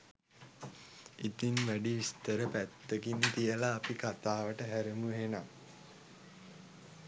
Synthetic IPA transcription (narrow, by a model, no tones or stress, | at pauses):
it̪inʋæɖiʋist̪əɾəpæt̪ːəkint̪ijəlaːpikat̪aːʋəʈəɦæɾəmuɦena